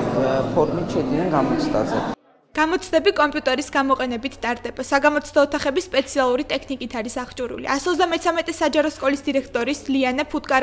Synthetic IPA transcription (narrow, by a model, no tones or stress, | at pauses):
pʰɔɾmit̪ʃɛd̪inɛnɡamɔt̪sʰd̪ʼa̰zɛ | ɡ̥amɔt̪sʰd̪ɛbikʼɔmpʼjut̪ʼɛɾisɡamɔqʼɛnɛbit̪ʰd̪ʼaɾd̪ɛbasaɡamɔt̪sʰd̪ɔːt̪ʰaχɛbispʼɛt̪sʰialˠuɾit̪ʼɛkʰnikʼit̪ʰaɾisaχt͡ʃʼuɾṵlḭʔasɔzd̪amɛt̪sʰamɛt̪ʼɛsad͡ʒaɾɔskʼɔlisd̪iɾɛkʰt̪ʼɔɾislianɛpʰut̪̚ʼkʼaɾ